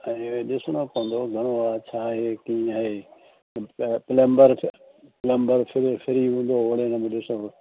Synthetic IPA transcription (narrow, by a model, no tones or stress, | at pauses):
ɛ̃ːɗɪsonəkoːə̃nd̪oɡʱɐɽ̃oaːt͡ɕʰaːɦeːkĩːaɦeː | pɪləmbəɾ | pɪləmbəɾpʰɪɾfʰɪɾiɦũːnd̪oːʋoɽeːnɐmẽɗɪso